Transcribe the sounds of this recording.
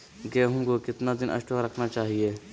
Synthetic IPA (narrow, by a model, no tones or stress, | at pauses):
ɡɛːɦũkokɪt̪nad̪ɪnʔɐ̰ʃʈoɾɐkʰnat͡ʃaːɦieː